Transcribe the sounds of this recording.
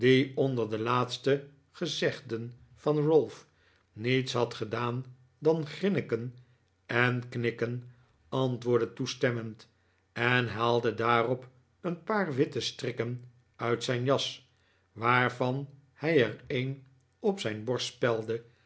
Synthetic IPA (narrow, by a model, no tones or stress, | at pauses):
diɔndəɹdəlaːtstə | χəzɛχdən | fɑnrʊlˠf | nitsɦɑt̪χədaːn | dɑnχrɪnəkən | ɛnknɪkən | ɑntʋʊːɹdətustɛmənt | ɛnɦaːlˠdədaːrɔp | ənpaːɹʋɪtəstrɪkən | œɥtsɛjnjɑs | ʋaːɹvɑn | hɛjɛrejn | ɔpsɛjnbɔɹspɛlˠdə